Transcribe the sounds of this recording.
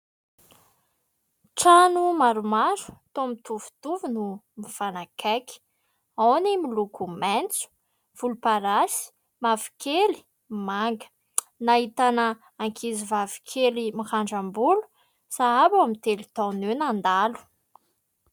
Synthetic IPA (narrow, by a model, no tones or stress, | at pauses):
ʈ͡ʂanumaɾumaɾu̥t̪omit̪uvu̥t̪uvunumifanakʰaki̥ | awnimilukumɛnt͡su̥ | v̥ulupaɾasi̥ | mavi̥kʰeli̥ | maŋɡə̥ | naɦit̪anə | aŋkʰizivavi̥kʰelimiχaɳɖ͡ʐambulu̥ | saabamit̪elit̪ɔnewnand̪alu̥